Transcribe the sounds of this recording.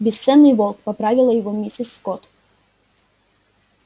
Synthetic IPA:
bʲɪst̪sɛnːɨjvɔlˠkpɐpɾavʲɪlˠəjɪvɔmʲisʲɪsːkɔt̪

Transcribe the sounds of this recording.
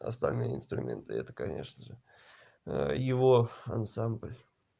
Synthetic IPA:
ɐ̰st̪ɐlʲnɨjəɪ̰nst̪ɾʊmʲe̞̰nt̪ɨɛt̪ə̥kɐnʲe̞̰ʂnəʐɨ | jɪvoɐnsamblʲ

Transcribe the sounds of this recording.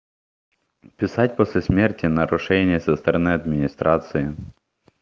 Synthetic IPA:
pʲɪsatʲposʲlʲɪsʲmʲertʲɪnɐɾʊʂɛnʲɪjəsəst̪ɐɾɐnɨɐd̪mʲɪnʲɪst̪ɾat̪sɨɪ

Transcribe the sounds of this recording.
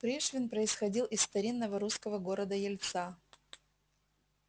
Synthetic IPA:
pɾʲeʂvʲɪnpɾəɪsxɐdʲilˠʔɪsːt̪ɐɾʲinːəvəɾuskəvəɡo̞ɾəd̪əjɪlʲt̪sa

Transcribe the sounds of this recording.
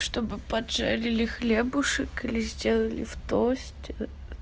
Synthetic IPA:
ʂt̪o̞bɨpɐd̪ʐa̰lʲɪlʲɪxlʲebʊʂɨkɨlʲɪzʲdʲe̞lˠəlʲɪ̰ft̪osʲtʲɪ

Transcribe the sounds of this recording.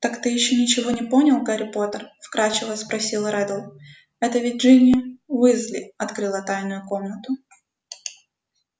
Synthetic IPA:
t̪akt̪ɨjɪɕːonʲɪt͡ɕɪvo̞nʲɪpo̞nʲɪlˠkɐɾʲɪpo̞t̪ərfkɾat͡ɕɪvəspɾɐsʲilˠɾɛd̪əlˠ | ɛt̪əvʲɪd̚ʲʐɨnʲɪvɨzlʲɪ̰ɐt̪kɾɨlˠət̪ajnʊjʊko̞mnət̪ʊ

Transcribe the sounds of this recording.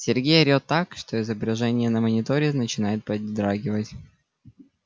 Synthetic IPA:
sʲɪrɡʲejəɾʲo̞t̪ːakʂt̪o̞ɪzəbɾʲɪʐɛnʲɪjənəmənʲɪt̪o̞ɾʲɪnət͡ɕɪnajɪt̪̚pɐdʲd̪ɾaɡʲɪvətʲ

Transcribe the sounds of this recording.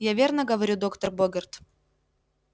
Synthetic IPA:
javʲernəɡəvɐɾʲud̪o̞kt̪ərboɡʲɪrt̪

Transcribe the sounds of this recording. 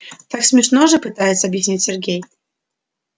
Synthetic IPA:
t̪aksmʲɪʂnoʐɨpɨt̪ajɪt̪səɐbjɪsʲnʲitʲsʲɪrɡʲej

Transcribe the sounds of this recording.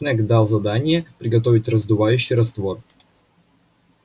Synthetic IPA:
nɛkd̪alˠzɐd̪anʲɪjəpɾʲɪɡɐt̪o̞vʲɪtʲrəzd̪ʊvajʉɕːɪjɾɐst̪vo̞r

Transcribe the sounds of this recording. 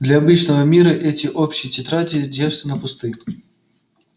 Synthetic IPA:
d̪lʲɐːbɨt͡ɕnəvəmʲiɾəʔɛtʲɪʔopɕɪjtʲɪt̪ɾatʲɪdʲeʐʂt̪ʲɪnəpʊst̪ɨ

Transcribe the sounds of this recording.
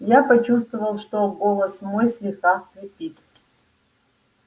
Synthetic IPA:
japɐt͡ʃust̪vəvɐlˠʂt̪oɡolˠɐsmojslʲixaχpɾʲipʲit̪ʼ

